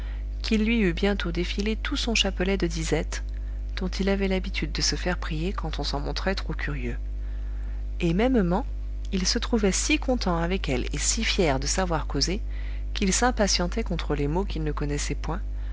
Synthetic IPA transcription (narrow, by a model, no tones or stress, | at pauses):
kʰilːɥiybjɛ̃t̪od̪efilet̪usɔ̃ʃapɔlɛd̪əd̪izɛt̪ | d̪̥ɔ̃t̪ilavɛlabit̪ʰyd̪̚ːəsəfɛʁpχijekɑ̃t̪ɔ̃sɑ̃mɔ̃t̪χɛt̪χokʲʰyʁjø | emɛmmɑ̃ | ilsət̪χuvɛsikɔ̃t̪ɑ̃avɛkɛlḛsifjɛʁd̪əsavwaʁkoze | kilsɛ̃pasjɑ̃t̪ɛkɔ̃t̪χəlemokʲilnəkɔnɛsɛpwɛ̃